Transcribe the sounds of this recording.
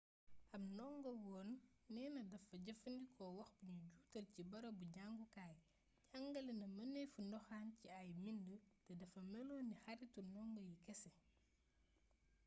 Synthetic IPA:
ʔɐmnɔŋɡɔwɔːnː | ɛːnɐdɐfɐɟɐfɐndikʰɔwɐxbuɲuɟuːtɐlcibɐɾobuɟaŋɡukaːj | ɟaŋɡɐlɛnɐmɐnɛjfundɔxaːnciajmindutɛdɐfɐmɛlɔːnːixɐɾitunɔŋɡɔjikɛsɛ

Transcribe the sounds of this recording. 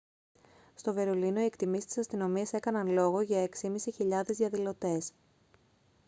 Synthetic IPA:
st̪o̞ve̞ɾo̞lino̞ie̞kt̪imist̪i̥sɐst̪ino̞miɐse̞kɐnɐnlo̞ɣo̞ʝɐeksimisiçiʎɐðe̞zðiɐðilo̞t̪e̞s

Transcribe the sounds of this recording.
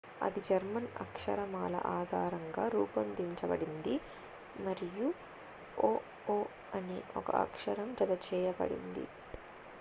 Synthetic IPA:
ɐ̰d̪id͡ʒɐɾmɐnɐ̰kʂɐ̰ɾɐmaːlɐ̰ʔaːd̪ʱaːɾɐŋɡaːɾuːpɐnd̪iɲt͡ʃɐbɐɽind̪i | mɐɾiju | oː | oː | ɐniʔɔkɐ̰ʔɐ̰kʂɐɾɐmd͡ʒɐd̪ɐt͡ʃɛːjɐbɐ̰ɽḭnd̪ḭ

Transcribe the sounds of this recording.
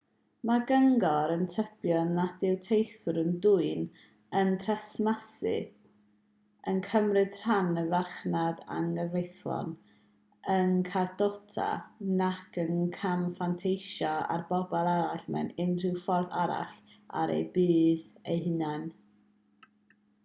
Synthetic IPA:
maɡəŋɡɔɾəntʰəpjɔnad̥ɪwtʰejθʊɾənduɨn | əntʰrɛsmasɨ̰ | ənkʰəmrɨd̥r̥anəvaχnada̰nəvejθlɔ̰n | ənkʰadɔtʰa̰nakənkʰamfantʰejʃaa̰rbɔbɔlˠaɾaɬmɛ̰nɪnr̥ɪwfɔrðaɾa̰ɬa̰ɾḛjbiːðejhɪnan

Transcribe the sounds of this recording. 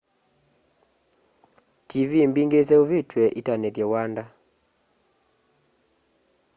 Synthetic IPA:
tivimbiŋɡes̬ɛuvitwɛʔitanɛðjɛwanda

